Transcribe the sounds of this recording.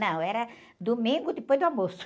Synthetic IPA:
nɐ̃w̃ɛɾɐ | d̪omĩŋɡʊd̪ɪpojd̪ʊamosʊ̥

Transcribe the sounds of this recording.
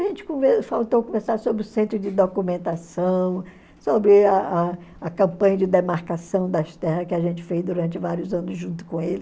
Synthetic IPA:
aʒẽnt͡ʃɪ̥kõvefawt̪owkõveɾsaɾsobɾɪʊsẽnt̪ɾʊd͡ʒɪd̪okumẽnt̪asɐ̃w̃ | sobɾɪaa | ɐkɐ̃mpɐ̃ɲɐd͡ʒɪd̪emaɾkasɐ̃w̃d̪ɐʃt̪ɛhɐkɪaʒẽnt͡ʃɪ̥fejzd̪uɾɐ̃nt͡ʃɪvaɾiʊzɐ̃nʊzʒũt̪ʊ̥kõelɪ

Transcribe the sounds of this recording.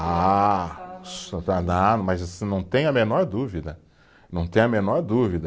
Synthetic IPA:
a | sad̪ãmɐzasĩnɐ̃w̃t̪ẽj̃ɐmenɔɾd̪uvid̪ɐ | nɐ̃w̃t̪ẽj̃ɐmenɔɾd̪uvid̪ɐ

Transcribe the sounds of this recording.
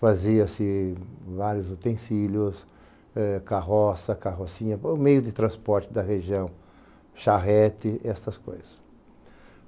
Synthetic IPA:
faziɐsɪvaɾjʊzot̪ẽsiljʊs | ɛkaɦɔsɐkaɦosĩɲɐʊmejʊd̪ɪt̪ɾɐ̃spɔɾt͡ʃ̪ɪd̪ɐɦeʒiɐ̃w̃ | ʃaɦɛt̪ɪʔɛst̪ɐsko̰jzɐs

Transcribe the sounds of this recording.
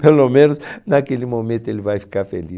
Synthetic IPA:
pelomẽnʊsnakelɪmomẽnt̪ʊelɪvajfi̥kaɾfḛli

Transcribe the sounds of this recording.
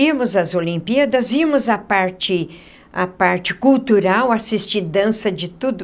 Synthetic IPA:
imʊzɐzolĩmpiɐd̪ɐzimʊzɐpaɾt͡ʃɪ | apaɾt͡ʃɪkuwt̪uɾawasist͡ʃiɾd̪ɐ̃sɐd͡ʒɪt̪ud̪ʊ

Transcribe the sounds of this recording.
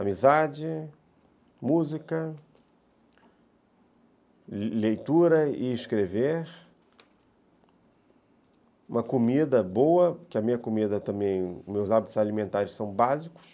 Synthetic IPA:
amizad͡ʒɪ | muzikɐ | lejt̪uɾɐɪːskɾeveɾ | ũmɐkomid̪ɐbowɐkɪɐmĩɲɐkomid̪ɐt̪ɐ̃mbẽj̃mewzabit̪ʊzalimẽnt̪aɾʊsɐ̃w̃bazikʊ̥s

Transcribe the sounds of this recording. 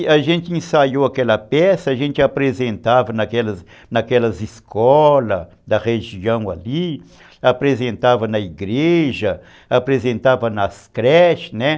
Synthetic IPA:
ɐʒẽnt̪ɪẽsajowakɛlɐpɛsɐːʒẽnt͡ʃ̪ɪapɾezẽnt̪avɐnɐkɛlɐs | nɐkɛlɐziskʰɔlɐ | d̪ɐʁeʒiɐ̃w̃a̰li | apɾezẽnt̪avɐnɐiɡɾeʒɐ | apɾezẽnt̪avɐnɐskɾɛʃnɛ

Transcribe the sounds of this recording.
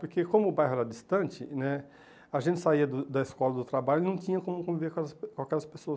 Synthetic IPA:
poɾkekõmʊːbajɦʊɛɾɐdist̪ɐ̃nt͡ʃɪnɛ | aʒẽnt͡ʃɪ̥saiɐd̪ʊd̪ɐiskɔlɐd̪ʊt̪ɾabaljʊenɐ̃w̃t͡ʃ̪ĩɲɐkõmʊkõviveɾkõɛlɐskawkɛɾɐspesoɐs

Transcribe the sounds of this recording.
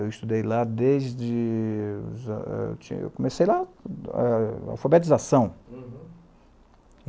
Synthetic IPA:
ewist̪ud̪ejlad̪ezd͡ʒɪṵzɛ̰ḛwt͡ʃḭ̃ḛwkõmesejlaɛ̰a̰wfabet̪izasɐ̃w̃

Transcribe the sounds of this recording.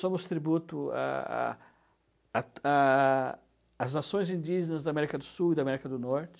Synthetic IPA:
sõmʊst̪ɾibut̪ʊa̰ | a | znasõj̃zĩnd͡ʒ̪iʒenɐzd̪ɐːmɛɾikɐd̪ʊsuwid̪ɐamɛɾikɐd̪ʊnɔɾt͡ʃɪ̥

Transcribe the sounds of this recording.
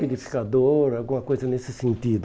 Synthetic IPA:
ed̪ifi̥kad̪oɾawɡũmɐkojzɐnesɪsẽnt̪id̪ʊ

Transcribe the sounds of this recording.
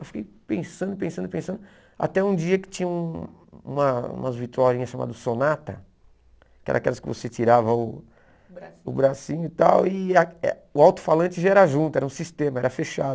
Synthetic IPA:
ewfi̥kejpẽsɐ̃nd̪ʊɪpẽsɐ̃nd̪ʊpẽsɐ̃nd̪ʊ | a̰t̪ɛũd͡ʒiɐkɪ̥t͡ʃĩɲɐũṵ̃mɐṵ̃mɐ̰zvit̪aɾĩɲɐsʃama̰d̪ʊsonat̪ɐ̰ | kɪɛ̰ɾɐ̰̃akɛ̰lɐskɪvo̰set͡ʃiɾavɐʊ | ʊbɾasĩɲʊit̪a̰wɪaɛ | ʊawt̪ʊ̥falɐ̃nt͡ʃɪʒaɛɾɐʒũt̪ʊɛɾɐũsist̪ẽmɐɛɾɐfeʃad̪ʊ

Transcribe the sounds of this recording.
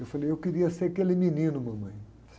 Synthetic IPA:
ewfalejewkiɾiɐseɾɐkelɪminĩnʊmɐ̃mɐ̃j̃ | s

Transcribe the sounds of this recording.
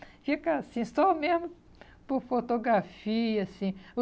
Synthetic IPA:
fikɐasĩsɔmezmʊ | poɾfot̪oɡɾafiɐsĩ

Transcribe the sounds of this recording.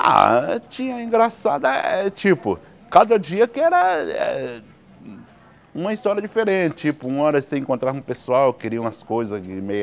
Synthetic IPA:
a̰t͡ʃĩɲɐĩɡɾasa̰d̪ɐɛt͡ʃipʊ | kad̪ɐd͡ʒiɐkɪɛɾɐɛ̰ | ũmɐist̪ɔɾiɐd͡ʒifeɾẽnt͡ʃɪt͡ʃipʊũɔɾɐsẽẽŋkõnt̪ɾaũpesuawkɪɾiɐũmɐskojzɐɪmej

